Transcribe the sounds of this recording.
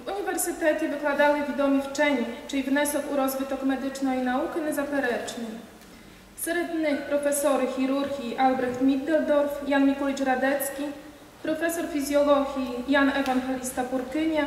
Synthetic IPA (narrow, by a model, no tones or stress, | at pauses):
vuɲivɛɾsɘt̪ɛt͡ɕɛvɘklwad̪awɘvʲid̪ɔmʲift͡ʂɛɲɛt͡ʂɘivnɛsɔkuɾɔzbɘt̪ɔkmɛd̪ɘt͡ʂnɔinaukɘnɛzapɛɾɛt͡ʂɲi | sɾɛd̪nɘxpɾɔfɛsɔɾuxʲiɾuɾɡʲiʔalbɾɛxt̪mʲid̪ɛld̪ɔɾfjanɲʲikɔlʲit͡ʂɾad̪ɛt̪skʲi | pɾɔfɛsɔɾfʲizʲjɔlɔɡʲijanɛvaŋɡɛlʲist̪apuɾkɘɲɛ